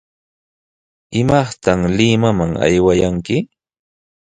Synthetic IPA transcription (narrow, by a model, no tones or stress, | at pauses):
ɪmɑχt̪aŋlɪmamaŋa̰jwajaŋkɪ